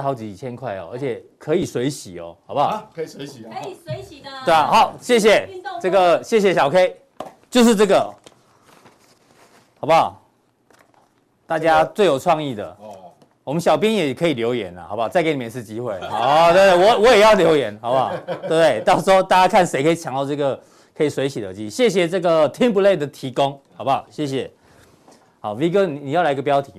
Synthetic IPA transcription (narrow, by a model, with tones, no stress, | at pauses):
xa˧˥ʊt͡ɕi˨˥i˨˩t͡ɕʰjɛ˦˥nkʰwa˥˩ɪɔ̰˨˩ʔə̰˧˦t͡ɕʰjɛ˨˩kʰə˧˦i˨˩swe˧˥ɪɕi˨˦ɔ̰˨˩hɑ˨˩ʊpa˨˧˩ | t̪we˥˩˨xa˨˦ʊɕjɛ˥˩ɕ̬jɛ˨˩t͡sɤ˥˩ɡə˨ɕjɛ˥˩ɕ̬jɛ˨˩ɕjɑ˨˩ʊkʰe˥ɪ | t͡ɕjo˥˧ʊʂɻ̩˥˧t͡sɤ˥˩ɡə˨ | xɑ˨˩ʊpa˨˩ | t̪a˥˧t͡ɕja˦t͡swe˥˩ɪjo˨˩ʊt͡sʰwɑ˥˧ŋi˥˩d̪ə̰˩ | wɔ˨˩mə˦nɕjɑ˨˩ʊp̬jɛ˦njɛ˨˩˨kʰɤ˧˦i˨ljo˧˦ʊjɛ̰˨˦na̰˨ha̰˨˩˦ba˧˩t͡sa˥˩ɪke˧˥nĩ˨˩˧ʂ̩ɻ̩˥˩t͡ɕi˦xwe˥˩ɪ˦t̪we˥˧t̪we˥˩wɔ˨˦wɔ˨˦jɛ˨˩jɑ˥˩ʊljo˧˥ʊjɛ˧˦nxa˨˦ʊpa˥˩twe˥˩˧t̪we˥˩ɪt̪ɑ˥ʊswɔ˥˦t̪a˥˧˩t͡ɕja˥kʰa˥˨nse˧˥ɪkʰə˧˥i˨˩t͡ɕʰja˨˦ŋt̪a˥˧t͡sɤ˥˩ɡə˨˩ | kʰɤ˧˥i˨˩swe˧˥ɪt͡ɕʰi˨˩d̪ə̰˧˦t͡ɕi˧˥ɕjɛ˥˩ɕ̬jɛ˨˩ʈ͡ʂɤ˥˩ɡə˨t̪ʰi˦˥np̬u˧le˥˩ɪd̪ə˨˩t̪ʰi˧˦ko˦ŋhɑ˨˩ba˨˩ɕjɛ˥˩ɕ̬jɛ˨˩ | ha˨˦ʊwi˧˦kə˥˧ni˨ni˨jla˧˥i˧ɡəpjɑ˥ʊt̪ʰi˨˦